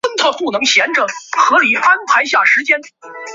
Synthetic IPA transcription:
ə˥nt̪ʰa˥˧pu˥˩nɤ˧˥ŋɕjɛ˧˥nʈ͡ʂə˩xɤ˧˥li˨˥fa˥npʰa˧˥ɪɕ̬ja˥˩ʂɻ̩˧˥t͡ɕjɛ˥n

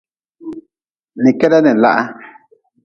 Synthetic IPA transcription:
nĩ˨ke˦ða˦nẽ˨la̰˦ʔa˧

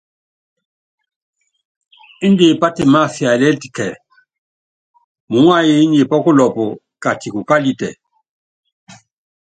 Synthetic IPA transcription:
i˦ndi˨pa˦te˨ma˦˨fja˨lɛ˦ti˨kɛ˨ | mu˨ŋ˦a˦ji˦ɲi˨pɔ˦ku˦lɔ˨pɔ˨ | ka˨ti˨ku˨ka˦li˨tɛ̰˨

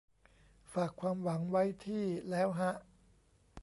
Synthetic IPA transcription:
faː˨˩kʰwaː˧mwa˩˦ŋwa˦˥jt̪ʰiː˥˩lɛː˦˥wɦa˦˥ʔ

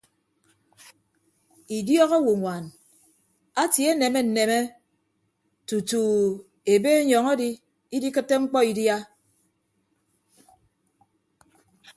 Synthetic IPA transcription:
i˨djɔ˦ɣo˦wu˨ŋʷa˨n | a˦tje˦ne˨me˦n̩˨ne˨me˦ | tu˨tu˨ | e˨be˦ɲɔ˨ŋe˦di˦ | i˦di˦kɨ˦tːe˦ŋ͡m̩˦k͡pɔ˦i˨dja˦

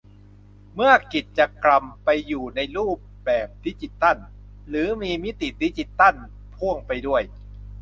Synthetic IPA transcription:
mɯ˥˩ɐəki˨˩t̪̚t͡ɕa˨˩kla˨˧mpa˧jːuː˨˩na˧jɾuː˥˩p̚ | bɛː˨˩p̚t̪ʰi˦˥t͡ɕi˨˩t̪ːa˥˩n | lɯː˩˦miː˧mi˦˥t̪i˨˩t̪i˦˥t͡ɕi˨˩t̪ːa˥˩n | pʰu˥˩əŋpa˧jdu˥˩əj

